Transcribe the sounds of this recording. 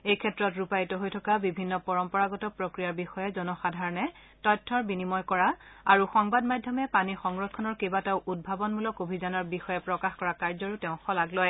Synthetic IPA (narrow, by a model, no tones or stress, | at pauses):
ejkʰɛtɹɔtɹupajitɔɦojtʰɔkabibʱinːɔpɔɹɔmpɔɹaɡɔtɔpɹokɹijaɹbixɔjɛzɔnɔxadʱaɹɔnɛ | tɔjtʰːɔɹbinimɔjkɔɹaaɹuxɔŋbadmajdʱɔmɛpanixɔŋɹɔkʰːɔnɔɹkebatɛʊʔud̚bʱabɔnmulɔkobʱizanɔɹbixɔjɛpɹɔkaxkɔɹakaɹzɔɹutɛʊ̃xɔlaɡlɔj